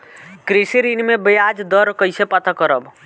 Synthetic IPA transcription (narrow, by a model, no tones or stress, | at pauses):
kɾisiɾinmebəjad͡ʒd̪əɾkəjsepat̪akəɾəb